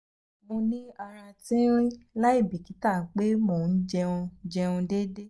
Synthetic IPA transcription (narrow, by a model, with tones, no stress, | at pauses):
mo˧nĩ˦a˧ɾa˧tĩ˦ɾ̃ĩ˦la˦i˦˨bi˨ki˨˦ta˦˨k͡pe˦mo˦˨n̩˦d͡ʒɛ˧ũ˧d͡ʒɛ˧ũ˧de˦de˦